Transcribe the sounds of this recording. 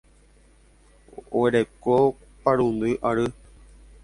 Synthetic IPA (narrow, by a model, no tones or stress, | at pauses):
oeɾeko | paɾund̪ɨʔaɾɨ